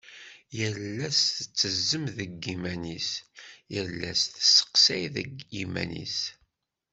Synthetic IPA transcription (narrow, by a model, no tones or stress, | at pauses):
jəlːæsθət͡sːəzːəmðəɡimænisjəlːæ̰sθsə̥qsæjðəɡimæ̰nḭs